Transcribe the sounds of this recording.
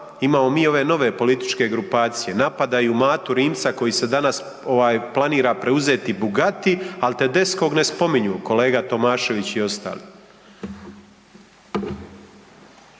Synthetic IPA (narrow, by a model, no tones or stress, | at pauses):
imaːmo̞miːo̞ʋe̞no̞ʋe̞po̞lit̪i̥t͡ʃke̞ɡɾupaːt̪sije̞napad̪ajumaːt̪uɾiːmt̪sako̞jise̞d̪anas | o̞ʋaːjplˠaniːɾapɾe̞uze̞ːt̪ibuɡat̪ialt̪e̞d̪e̞sko̞ɡne̞spo̞miɲuːko̞le̞ːɡat̪o̞maːʃe̞ʋit͡ɕio̞st̪a̰ːli